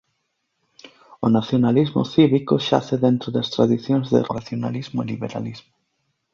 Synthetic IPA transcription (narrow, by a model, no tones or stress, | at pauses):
ʊnaθjonalizmʊ̰θiβikʊʃa̰θeðent̪ɾʊðast̪ɾa̰ðiθjõŋzðɪ̰rɾaθjona̰lizmʊeliβeɾa̰lizmʊ